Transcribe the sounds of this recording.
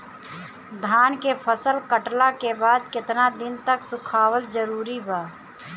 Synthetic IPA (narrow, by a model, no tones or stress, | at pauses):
d̪ʱaːnkepʰəsəlkəʈlakebaːd̪̚kɪt̪nad̪ɪnt̪əksʊkʰaːwəld͡ʒəɾuːɾibaː